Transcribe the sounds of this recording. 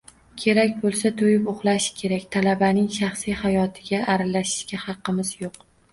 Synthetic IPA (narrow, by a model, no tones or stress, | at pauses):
kʲʰe̞ɾakʲbolˠsat̪ʰojɪpoχlˠaʃɪ̥kʲʰe̞ɾakʲt̪ʰalabanɪŋʃɑχsijhajɒt̪ʰɪɡʲaʔaɾalaʃɪ̥ʃkʲahɑqːɨmɪz̥joq